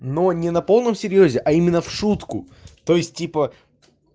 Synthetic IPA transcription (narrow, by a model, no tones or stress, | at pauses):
no̞nʲɪnɐpo̞lˠnəmsʲɪɾʲjozʲɪʔɐimʲɪnːəfʂut̪kʊ | t̪o̞jɪsʲt̚ʲipə